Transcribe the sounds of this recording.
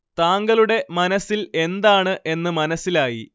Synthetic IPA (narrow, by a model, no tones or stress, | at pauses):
t̪aːŋɡɐluɽe̞mɐnɐsːile̞nd̪aːɳɨʔe̞nːɨmɐnɐsːilaːjḭ